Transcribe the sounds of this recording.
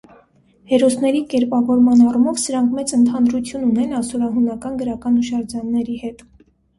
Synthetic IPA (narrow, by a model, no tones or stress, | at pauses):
hɛɾɔsnɛɾikɛɾpɑvɔɾmɑnɑrumɔvsəɾɑŋkʰmɛt͡sənt̪ʰɑnɾut͡sʰjununɛnɑsɔɾɑɦunɑkɑnɡəɾɑkɑnuʃɑɾd͡zɑnːɛɾihɛt̪